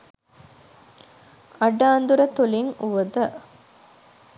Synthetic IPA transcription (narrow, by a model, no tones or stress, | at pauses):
ɐɖaːnd̪uɾɐt̪uliŋuʋɐd̪ɐ